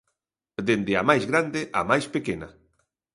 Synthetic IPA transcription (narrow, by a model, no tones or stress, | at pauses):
d̪end̪ɪa̰majzɣɾand̪eʔa̰majspekena̰